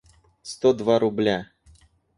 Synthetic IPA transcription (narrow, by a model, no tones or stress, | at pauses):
st̪od̪vaɾʊblʲa